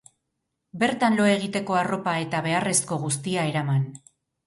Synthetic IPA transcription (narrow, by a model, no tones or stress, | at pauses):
be̞ɾt̪anlo̞e̞ɣ̞it̪e̞ko̞aro̞pae̞t̪aβ̞e̞are̞sko̞ɣ̞ust̪iae̞ɾaman